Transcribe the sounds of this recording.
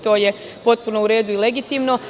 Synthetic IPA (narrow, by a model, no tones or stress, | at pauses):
t̪o̞ːje | po̞t̪̚punouɾe̞ːd̪uile̞ɡit̪iːmno̞